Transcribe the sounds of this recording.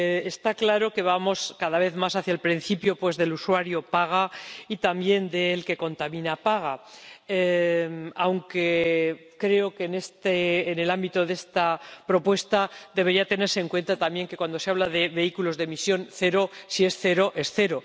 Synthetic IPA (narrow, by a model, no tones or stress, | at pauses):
est̪aklaɾo̞ke̞βamo̞skaðaβ̞e̞θmasaθjaelpɾin̟θipjo̞pwe̞zðe̞luswaɾjopaɣ̞ait̪amje̞nd̪e̞ːlke̞ko̞nt̪amĩnapaɣ̞ae | awŋke̞ | kɾe̞o̞kenest̪eːne̞lambit̪o̞ðe̞st̪apɾo̞pwe̞st̪ad̪eβeɾiat̪e̞ne̞ɾseŋkwe̞nt̪at̪ambje̞ŋke̞kwand̪o̞se̞aβ̞laðe̞βe̞ikulo̞zðemisjo̞nθe̞ɾo̞sie̞sθe̞ɾo̞ʔe̞sθe̞ɾo̞